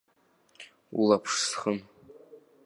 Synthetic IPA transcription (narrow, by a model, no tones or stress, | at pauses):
ṵlˠapʰʂsχən